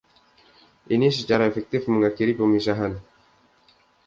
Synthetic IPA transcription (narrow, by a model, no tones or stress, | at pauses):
ʔinisət͡ʃaɾaefɛk̚t̪ɪfməŋakiɾipəmisaɦan